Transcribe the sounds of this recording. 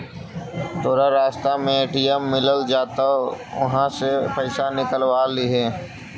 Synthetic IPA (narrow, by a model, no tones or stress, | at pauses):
t̪oːɾaɾaːst̪amẽeːʈijemːɪləld͡ʒaːt̪aʋɐ̰ɦãsepəɪsanɪkəlʋaliɦeː